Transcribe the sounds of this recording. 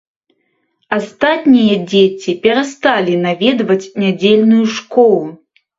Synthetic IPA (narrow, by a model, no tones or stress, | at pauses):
ast̪at̪nʲijɐd͡zʲet͡sʲipʲɛɾast̪alʲinavʲɛd̪vɐt͡sʲnʲad͡zʲelʲnujuʂkɔlˠu